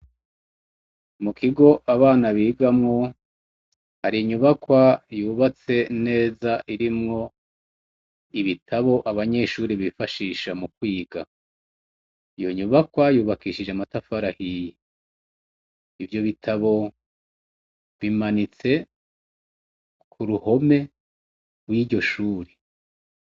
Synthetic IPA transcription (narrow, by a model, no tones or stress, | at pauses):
mukʰiɡo̞ʔaβaːnaβiːɡamŋo | haɾijiɲuβakwajuːβat͡se̞ne̞ːzaʔiɾimŋo̞ | iβitʰaβo̞ʔaβaɲe̞ʃuːɾiβifaʃiːʃamukwiːɡa | ijoɲuβakwajuːβakiːʃid͡ʒeamatafaɾahiji | ivjo̞βitʰaβo̞ | βimanit͡se̞ | kʰuɾuho̞me̞ | ɡwiːɟo̞ʃuːɾe